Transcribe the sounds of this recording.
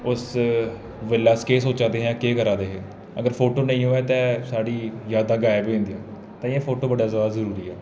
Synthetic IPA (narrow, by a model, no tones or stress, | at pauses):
ʊs | ʋəlːaːskeːsoːt͡ʃãːd̪eːɦɛ̃ːkeːkəɾãːd̪eːɦɛ̃ː | əɡəɾpʰoːʈoːnəĩːɦoːɛːt̪ɛ̃ːsaːɽiːjaːd̪ãːɡaːebiːõːnd̪iːɛ̃ː | t̪ãːiãːpʰoːʈoːbəɖaːzʋaːɾzəɾuːɾiːɛː